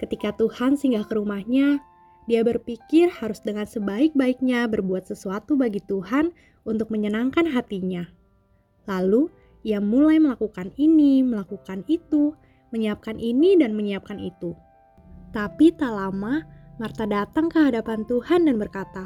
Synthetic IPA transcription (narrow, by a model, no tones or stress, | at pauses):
kət̪ikat̪uhansəiŋɡakəɾumahɲa | diabərpikɪrhaɾʊsdəŋansəbaɪk̚baɪk̚ɲabərbuat̪səsuat̪ubaɡit̪uɦan | unt̪ʊk̚məɲənaŋkanɦat̪iɲa | lalu | iamulajməlakukaniniməlakukanit̪u | məɲiap̚kanʔinidanməɲiap̚kanḭt̪u | t̪apit̪alamamart̪adat̪aŋkəɦadapant̪uhandanbərkat̪a